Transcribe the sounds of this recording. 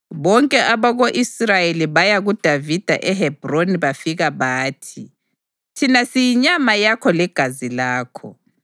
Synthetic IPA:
βɔŋkʼɛʔaβaɣoʔisrajeliβajaɣud̥ʱavid̥ʱa̰ʔɛɦɛb̥ʱroniβafiɣaβaːtʰi | tʰinasijiɲamajakʰɔlɛɡ̥ʱazilaːkʰɔ̰

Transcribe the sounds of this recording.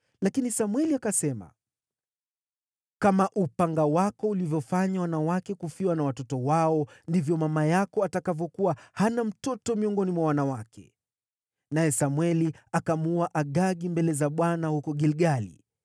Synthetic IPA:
lakinisamwɛliakasɛma̰ | kamaʔupaŋɡawakɔulivjɔfaɲawanawakɛkufiwanawatɔtɔwaɔndivjɔmamajakɔatakavjɔkuwahanam̩tɔtɔmiɔŋɡɔnimwawanawakʰɛ̰ | najɛsamwɛliakamuaʔaɠaɠimbɛlɛzaɓwanahukɔɡɛlɡalḭ

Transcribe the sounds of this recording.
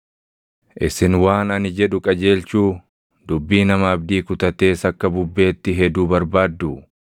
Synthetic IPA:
ʔɪsɪnwaːnɐnɪd͡ʒɛᶑʊkʼɐd͡ʒe̞ːlt͡ʃuː | d̪ʊbːiːnɐmɐɐbd̪iːkʊt̪ɐt̪e̞ːsɐkːɐbʊbːe̞ːt̪ːɪɦɛd̪uːbɐɾbaːd̪ːu

